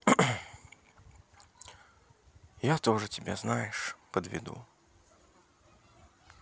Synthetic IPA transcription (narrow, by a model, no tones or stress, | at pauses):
jat̪oʐɨtʲɪbʲeznajɪʂpəd̪vʲɪ̰d̪ṵ